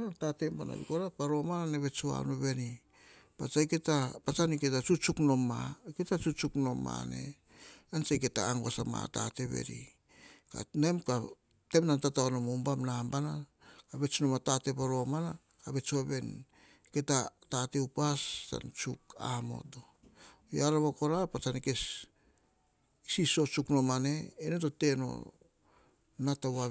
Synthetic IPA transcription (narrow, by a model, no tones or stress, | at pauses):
natatembana̰bḭkoɾapaɾo̞mananeβe̞t͡ʃua̰noβe̞ni | pat͡ʃajke̞tapat͡ʃaniketat͡ʃut͡ʃuknomaketat͡ʃut͡ʃukno̞ma̰ne̞̰ | ant͡ʃajketa̰ːŋɡosama̰ta̰te̞βe̞̰ɾḭ | ka̰nemka | te̞mnantataonomoumbamnambana | abe̞t͡ʃnomatate̞boɾo̞mana | abe̞t͡ʃoβe̞n | ke̞tatateupasta̰nt͡ʃuka̰mo̞̰to̞ | jaɾaβoko̞ɾapat͡ʃanike̞s | isiso̞t͡ʃukno̞mane̞ːnetote̞no̰ | natawa